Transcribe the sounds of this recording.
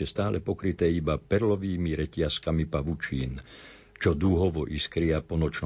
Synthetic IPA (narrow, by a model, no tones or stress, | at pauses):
ɛst̪aːlɛpɔkɾit̪ɛːibapɛɾlɔʋiːmiɾɛcɪaskamipaʋut͡ʃiːn | t͡ʃɔd̪uɦɔʋɔʔiskɾiapɔnɔt͡ʃn